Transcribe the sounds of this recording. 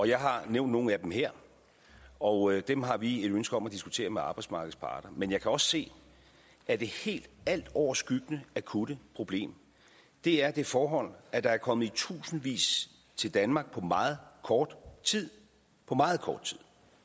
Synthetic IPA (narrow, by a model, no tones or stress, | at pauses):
ɒ̽jɑ̈ɪɦɑ̈neʊnd̥no̝ːn̩æd̥emheɐ̰ | ɒ̽d̥emɦɑ̈ʋie̝ɾønsɡ̥əɒ̽mæd̥isɡ̥ut͡sʰe̝̰ːɐmeɑ̈ːb̥ɑ̈ɪdsmɑ̈ːɡ̥ð̩ˠspʰɑ̰̈ːd̥ɐmenjɑ̈ɪkʰæɒ̽sse̝̰ː | ʔæd̥e̝he̝̰ːld̥æl̰d̥ɒʊ̰ɐsɡ̥yɡ̥ənəækʰuɾ̥əpʰʁo̝b̥le̝̰ːm | d̥e̝æɐd̥e̝fɒːɦɒ̽l̰æd̥ɑ̈æɐkʰɒ̽mð̩ˠit͡sʰṵːsn̩ʋḭːs | t͡sʰe̝ld̥ænmɑ̈ːɡ̥̚pʰɒ̽mɑ̈ːð̩ˠkʰɒːd̥t͡sʰið̰ˠ | pʰɒ̽mɑ̈ːð̞̩ˠkʰɒːd̥̚t͡sʰið̰ˠ